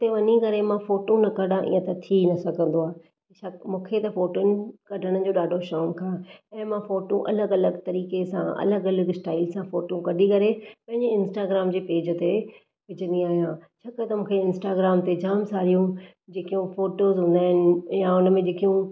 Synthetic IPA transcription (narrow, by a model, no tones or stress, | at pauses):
ʊt̪eʋɐɲikɐɾemãfoːʈõnɐkɐɗãʔḭːə̃t̪ɐt̪ʰinɐsɐɡʱə̃nd̪oaː | iʃɐmũːkʰet̪ɐfoːʈʊnɪ̆kɐɖʱəɽ̃ə̆d͡ʑoːɗaːɖʱoʃɔːmkʰãːɛ̃ːmãfoːʈõʔɐləɡɐləɡt̪ɐɾiːkesã̰ʔɐ̰ləɡɐləɡsʈaːɪlsãfoːʈõkɐɖʱikɐɾepɐ̃ɦɪ̃ɲd͡ʑeɪ̃nsʈaːɡɾaːmd͡ʑeːpeːd͡ʑət̪e | ʋɪd͡ʑʱə̃nd̪iaːɦijãːt͡ɕʰɐkat̪ɐmũːkʰeɪ̃nsʈaːɡɾaːmt̪ed͡ʑaːmsaːɾijũ | d͡ʑeːkijũfoːʈoːzɦʊ̃ːnd̪aːɦɪnɪ̆jaʊnəmẽd͡ʑeːkijũ